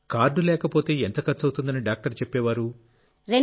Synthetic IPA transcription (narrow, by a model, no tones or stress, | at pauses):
kaːɾɖulɛːkɐpoːt̪e̞ːent̪ɐkɐɾt͡ʃɐwt̪und̪ɐniɖaːk̚ʈɐɾt͡ʃepːɛːʋaːɾu | ɾe